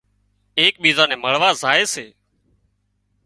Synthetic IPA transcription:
eːk̚ɓiːzãːnẽːməɭ̤ʋaːzaːeːseː

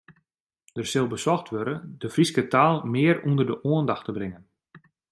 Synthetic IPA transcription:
d̥ərsɪlˠbəsɔxtʋøɾəndəfriskətaːlˠmɪərundərdəʔoəndaxtəbrɪŋən

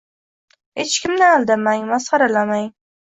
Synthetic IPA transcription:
het͡ʃkʲɪmnɪalˠd̪amaŋmasqɑɾalamaŋ

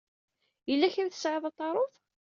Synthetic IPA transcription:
jəlːæçəɾθə̥sʕəðˤɑt̪ˤːɑɾˤoθ

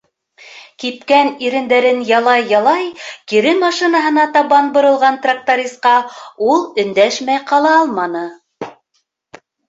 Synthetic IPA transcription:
kipkæniɾɘ̆nd̪æɾɘnjɑlˠɑjːɑlˠɑjkiɾɘmɑʃinɑɦɤ̆nɑt̪ɑβɑnbŏɾɤ̆lˠʁɑnt̪rak̚t̪oɾʲist̪̚qɑulˠɵ̆nd̪æʃmæjqɑlˠɑɑlˠmɑnɤ

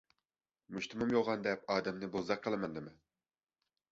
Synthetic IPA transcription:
muʃt̪umumjolˠʁɑnd̪ɛpɑːd̪ɛmnɪbozɑqʰːəlˠɨmɑnd̪ɨmɛn

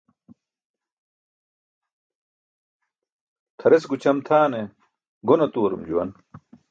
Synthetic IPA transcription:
t̪ʰɐɾesɡut͡ɕʰɐmt̪ʰaːne | ɡonɐt̪uɐɾumd͡ʑuwɐ̰n

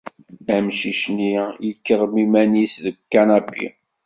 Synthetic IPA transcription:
æmʃiʃnijikːərˤmimænisðəɡkːanæbḭ

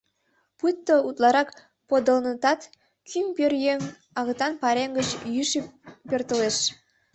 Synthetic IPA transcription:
put̪ːout̪lˠɑɾɑk | pod̪ə̆lnət̪ɑt̪ | kʲʰympʲørjeŋ | ɑɣɤt̪ɑnpɑɾeŋɡət͡ɕjyʃipørt̪ə̆leʃ

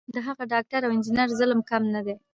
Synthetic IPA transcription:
d̪əɦaɣaɖɑk̚ʈaɾawɪnd͡ʒɪnaɾzələmkamnad̪e

